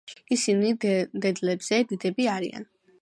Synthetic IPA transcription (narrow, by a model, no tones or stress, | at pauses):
isinid̪ɛd̪lɛbz̥ɛd̪id̪ɛbiaɾḭa̰n